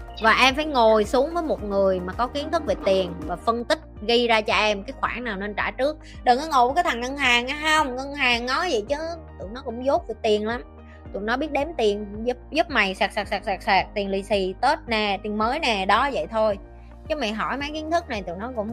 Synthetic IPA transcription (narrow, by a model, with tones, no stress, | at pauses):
vaː˨˩ʔɛ˧mfaː˧˩jŋo˨˩jsu˨˦əŋvəː˨˦jmo˨˩t̚ŋɨ˨˩əjmaː˨˩kɔ˨˦ki˨˦ənt̪ʰɨ˦˥k̚ve˨˩t̪i˨˩ənvaː˨˩fə˧ŋt̪ï˦˥k̟̚ɣi˧zaː˧t͡ɕɔ˧ʔɛ˧mkaː˨˦jxwaː˧˩ŋnaː˨˩wne˧nt͡ɕaː˧˩t͡ɕɨ˦˥ək̚ | ɗəː˨˩nɔ˨˧˦ŋo̰˨˧˨wkaː˨˦jt̪ʰa˨˩ŋŋə˧ŋɦaː˨˩ŋʔaː˨˧ə˧wŋ͡mŋə˧ŋɦaː˨˩ŋnɔ˨˦zə̰˧˨jt͡ɕɨ˨˦t̪ɨ̰˨˧˨nɔ˨˦kʊ̰˧˥ŋ͡mzo˦˥t̚vi˨˩t̪i˨˩ənla˨˦m | t̪ṵ˨˩ənɔ˨˦ɓi˦˥ət̚ɗe˨˦mt̪i˨˩ənzʊ˦˥p̚zu˦˥p̚ma˨˩jsaː˨˩k̚saː˨˩k̚saː˨˩k̚saː˨˩k̚saː˨˩k̚t̪i˨˩ənli˧˩si˧˩t̪oː˦˥t̚nɛ˨˩t̪i˨˩ənməː˨˦jnɛ˨˩ɗɔ˨˦zə̰˧˨jt̪ʰo˧j | t͡ɕɨ˨˦ma˨˩jɦɔ˧˩jma˨˦jki˨˦ənt̪ʰɨ˦˥k̚na˨˩jt̪ṵ˨˧˨nɔ˨˦kʊ̰˧˥ŋ͡m